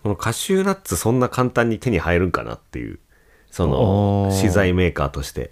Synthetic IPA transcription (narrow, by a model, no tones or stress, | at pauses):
ko̞no̞kʰaɕɨːnat͡sɨsõ̞nːakʰãnt̪ãɲ̟ːit̪e̞ɲ̟ihaeɾɯ̟̃ŋka̰na̰t̪ːe̞̰jɯ̟̰ː | so̞no̰ɕizaime̞ːkaːt̪o̞ɕi̥t̪e̞̰